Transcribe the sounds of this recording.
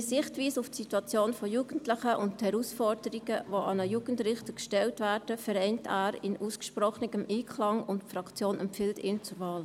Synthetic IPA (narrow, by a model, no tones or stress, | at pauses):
sɪχtʋiːsuftsituɑt͡sjoːnfɔjuːɡ̥ən̩tlɪχəʔʊnthɛɾusfɔrdəɾiɡəʋoʔɑnəjuːɡ̥əntrɪχtəkʃtɛltvæːrd̥əfɛɾɛɪntæːɾɪnʔuːskʃprɔχnəɡəmʔiːkʰlɑŋʊntfɾɑkt͡sjoːnɛmpfɪltɪːnt͡sʊɾvɑːl